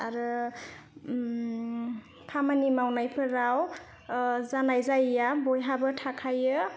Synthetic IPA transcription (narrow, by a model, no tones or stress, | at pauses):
aɾɯ | pʰamanimawnajpʰɯɾaw | zanajzajjabɔjɦabɯtʰakʰajɯ